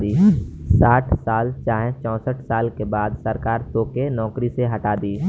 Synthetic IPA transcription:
d̪iːsaːʈʰsaːlt͡ʃaːɦẽt͡ʃɔ̃ːsəʈʰsaːlkebaːd̪səɾkaːɾsoːkenɔːkɾiseɦɐʈaːd̪iː

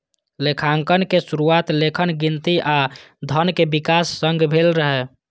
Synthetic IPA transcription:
lekʰaŋkənkesuɾuat̪lekʰənɡint̪iʔa | d̪ʱənkebikasːəŋɡbʱelɾəɦɛ

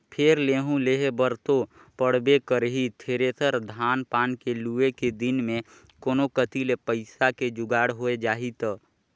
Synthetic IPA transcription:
pʰeɾleːɦũleːɦebəɾt̪o | pəɽ̤bekəɾɦit̪ʰeːɾet̪əɾd̪ʱaːnpaːnkelueked̪ɪnmẽ | koːnokət̪ilepəɪsaked͡ʒʊɡaːɽɦoed͡ʒaːɦit̪ː

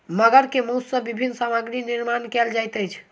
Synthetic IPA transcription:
məɡəɾkemussəbibʱinːsamaɡɾiniɾmankɛld͡ʒajt̪əjt͡ʃʰ

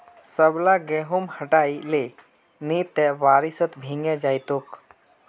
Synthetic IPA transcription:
səblaɡɛɦumhəʈaile | nit̪ɛʋaɾisət̪bʱĩŋɡɛd͡ʒajt̪ok

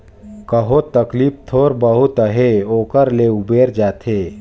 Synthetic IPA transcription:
kəɦot̪ɐkliːp̚t̪ʰoːɾbəɦʊt̪əɦeoːkəɾleubeːɾd͡ʒaːt̪ʰeː

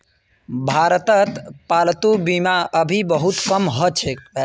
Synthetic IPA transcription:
bʱaɾət̪ət̪palt̪ubimaʔəbʱibəɦut̪kəmɦət͡ʃʰek̚

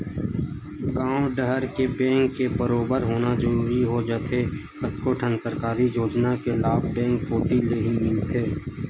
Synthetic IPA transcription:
ɡãːoɖəɦəɾkebɛ̃ːŋkːebəɾoːbəɾɦoːnazəɾuːɾiɦod͡ʒət̪ʰekəʈkoːʈʰənsəɾkaːɾijoːd͡ʒnakelaːbbɛ̃ːŋkpoːt̪ileɦimɪlt̪ʰeː

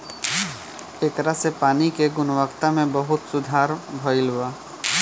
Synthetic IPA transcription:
et̪ɾasepaːnikeɡʊnʋəkt̪amẽbɐɦʊt̪sʊd̪ʱaːɾbʱɔɪlʋaː

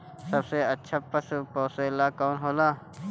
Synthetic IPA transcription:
sɐbseətːʃʰapəspoːselaːkɔːnɦoːlaː

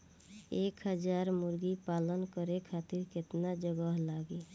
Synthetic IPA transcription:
eːkɦəd͡ʒaɾmʊɾɡipaːlənkəɾekʰat̪ɪɾkɪt̪nad͡ʒəɡəɦlaɡe

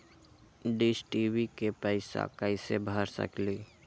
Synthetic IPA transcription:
ɖisʈiwikepəɪsa̰kaɪsebʱaːɾsə̰kliː

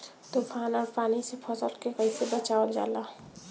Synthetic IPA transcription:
t̪ofʰaːnɔɾpaːnisepʰɔsəlkekəɪsebət͡ʃaːəld͡ʒa̰ːla

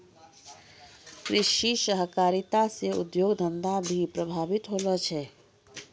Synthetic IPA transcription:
kɾɪʃiʃəɦəkaːɾit̪aseṵd̪joːɡd̪ʱənd̪abʱipɾəbʱaːbit̪ɦoːlət͡ʃʰɛ

